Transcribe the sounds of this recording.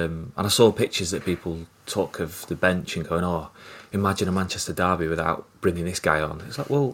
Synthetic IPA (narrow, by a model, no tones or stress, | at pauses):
mə̰̃ñaɪsɔːpɪk̚t͡ʃəzðəʔpiˑpʰl̩ˠtʰɔˑkʰəvðəbɛ̃nt͡ʃə̃nɡoʊɪ̃ŋɔɪmad͡ʒɪ̃nəmãnt͡ʃʰɛstədɑːbiwɪðaʊʔb̥ɹɪ̃ŋɪ̃ŋðɪsɡ̥aɪə̃nɪtslaɪkwɛlˠ